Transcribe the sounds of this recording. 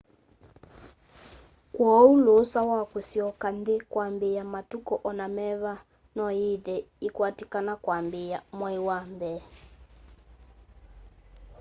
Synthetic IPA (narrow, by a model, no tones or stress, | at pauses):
kwɔulosawakusiɔkandikwambijamatukɔʔɔnamɛβa | nɔiðɛikwatikanakwambijamwaiwambɛ